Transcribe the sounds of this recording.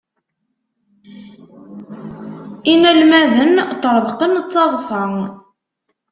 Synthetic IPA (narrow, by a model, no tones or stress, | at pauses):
inælmæðənt̪əɾˤðˤqənt͡st͡sːɑðˤsˤə